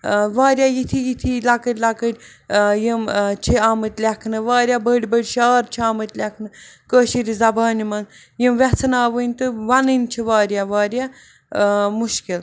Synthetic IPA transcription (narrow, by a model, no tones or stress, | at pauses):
ʋaːɾjaːjit̪ʰijit̪ʰilakəɾʲlakəɾʲ | jimt͡ʃʰiaːmɨt̪ʲlʲakʰnɨʋaːɾjaːbəɽʲbəɽʲʃaːɾt͡ʃʰiaːmət̪ʲlʲɛkʰnɨkəːʃiɾʲizɐbaːnimɐn | jimʋɛt͡sʰɨnaːʋɨnʲt̪ɨʋɐnɨnʲt͡ʃʰiʋaːɾʲjaʋaːɾʲjaː | muʃkil